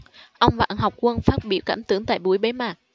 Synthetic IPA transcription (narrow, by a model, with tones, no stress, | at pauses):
ʔə˧wŋ͡mva̰ː˧˨nɦɔ˨˩wk͡p̚kwə˧nfaː˦˥t̚ɓḭ˧əwkaː˧˩mt̪ɨ˨˧˦əŋt̪a̰ː˧˨jɓu˨˧˩əjɓe˨˦maː˨˩k̚